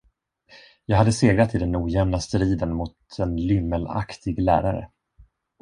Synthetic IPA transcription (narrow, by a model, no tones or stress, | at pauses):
jɑːɡɦad̪ːəseːɡɾat̪ʰːɪld̪ɛnuːjɛmlast̪ɾiːd̪ənmʊt̪ʰɛnlʏmːəla̰kt̪ʰɪɡlæ̰ːɾaɾə̰